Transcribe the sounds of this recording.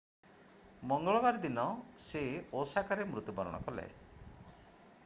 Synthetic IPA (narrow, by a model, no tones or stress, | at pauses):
mɔŋɡɔɭɔbaɾd̪inɔseosakaɾemɾut̪jubɔɾɔɽ̃ɔ̰kɔlḛ